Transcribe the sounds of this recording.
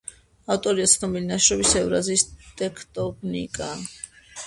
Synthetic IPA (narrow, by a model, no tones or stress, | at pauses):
aft̪ʼɔɾiasχnɔmilinaʃɾɔbisɛvɾaziːst̪ʼɛkʰt̪ʼɔbnḭkʼa